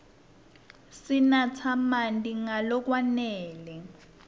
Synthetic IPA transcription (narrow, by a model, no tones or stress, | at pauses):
sinat͡sʰamandʼiŋalɔk̬wanɛːlɛ